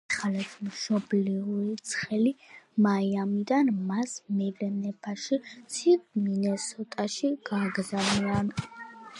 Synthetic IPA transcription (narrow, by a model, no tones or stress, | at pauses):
χalɛt̪ʰmʃɔbliuɾit̪sʰχɛlimaiamid̪anmasmɛvɾɛmnɛpʰaʃit̪sʰivminɛsɔt̪ʼaʃiɡ̥aɡzanian